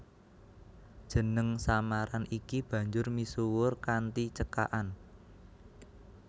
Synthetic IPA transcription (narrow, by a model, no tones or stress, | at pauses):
d̥ʒ̥ə̤nəŋsamaɾanikib̥ä̤ɲd͡ʒʊrmisuwʊrkant̪it͡ʃəka̰ʔan